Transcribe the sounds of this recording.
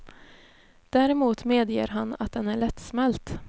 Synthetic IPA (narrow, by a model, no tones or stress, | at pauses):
d̪̥æːɾɛmuːt̪meːd̪jḛːɾɦanːa̰t̪̚d̪ɛnæɭɛt̪ːsmɛlt̪